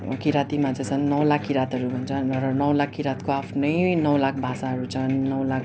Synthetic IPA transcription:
kiɾat̪imad͡zʌt͡sʰʌnːʌwlakːiɾat̪ʌɾubʱʌnt͡sʰʌrʌnʌwlakːiɾat̪koapʰnʌjnʌwlakʰbʱasaɦʌɾut͡sʰʌnːʌwlak

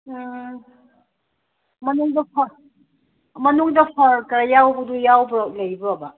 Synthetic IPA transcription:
mɐnuŋdɐpʰɐ | mɐnuŋdɐpʰɐɾkɾajawbɐdujawblɐjbɯɐbɐ

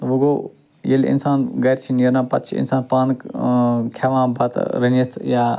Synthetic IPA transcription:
ʋuɡo | jelḭnsaːnɡɐɾt͡ʃʰinjeɾnãːpɐt̪t͡ʃʰḭnsaːnpaːnkkʰaʋãːbɐt̪ɾɐnist̪ʰjaː

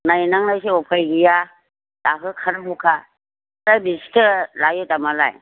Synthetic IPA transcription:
najnaŋnajsiɔpʰajɡija | dakɯkʰaɾɦukʰa | ɾajbisi̥tʰɯlajɔtamala̰j

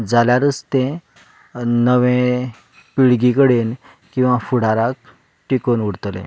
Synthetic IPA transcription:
d͡zaljaɾəst̪ẽ | nəʋẽ | piɭɡikəɽen | kĩw̃ʋafuɽaɾak̚ | ʈikonuɽt̪lḛ̃

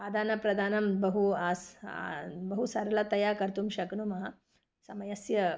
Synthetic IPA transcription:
aːd̪aːnɐpɾɐd̪ʱaːnɐmbɐɦuaːs | bɐɦusɐɾlat̪ɐjakɐɾt̪umʃɐknumɐɦɐ | sɐmɐjɐsjɐ

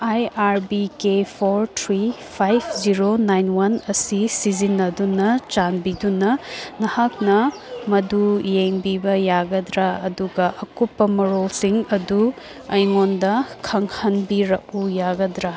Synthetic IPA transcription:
ajaɾbikepʰoɾt̪ʰɾipʰajpʰziɾonajnwɐnɐsisizinːɐdunɐt͡ʃanbidunɐnɐhak̚nɐ | mɐdujeŋbibɐjaɡɐdɾaɐduɡɐʔɐkupːɐmɐɾolsiŋɐdu | ɐjŋondɐkʰɐŋhɐnbiɾɐk̚ujaɡɐdɾa

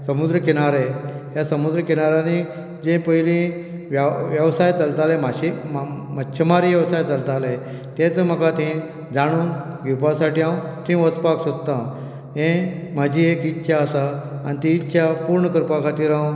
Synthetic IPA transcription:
səmud̪ɾəkeñaɾe | jasəmud̪ɾəkeñaɾani | d͡ʑẽpəilĩ | ʋʋjəʋsajt͡salt̪alemaɕimətːɕʰəmaɾiʋjəʋsajt͡salt̪ale | t̪ẽt͡səm̤əkat̪ĩ | d͡zaɽ̃uːn | ɡipasaʈiãwt̪ĩʋəspaksod̪t̪ã | ɦẽm̤ad͡ʑĩekitːɕʰaəsaanit̪iːtːɕʰapuɾɳəkəɾpakʰat̪iːɾãw̃

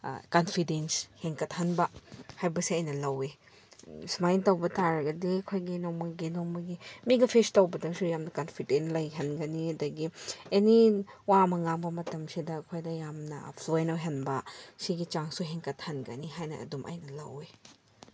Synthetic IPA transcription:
kɐnpʰidensheŋkɐthɐnbɐhajbɐsiɐjnɐlɐwe | smajntɐwbɐtaɾɐɡɐdiɐkʰojɡinomɐɡinomɐɡimiɡɐpʰestɐwbɐdɐsujamnɐkɐnpʰidenlɐjɦɐnɡɐniɐdɐɡieniwamɐŋaŋbɐmɐtɐmsidɐːkʰojdɐjamnɐ̰pʰluenɐwɦɐnbɐsiɡit͡ʃaŋsuɦeŋkɐt̚hɐnɡɐ̰niɦajnɐɐ̰dumʔɐ̰jnɐlɐwe

